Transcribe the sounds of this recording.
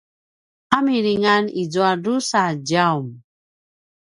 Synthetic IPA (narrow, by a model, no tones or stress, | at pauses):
amiɾiŋanid͡zoadusad͡ʒaum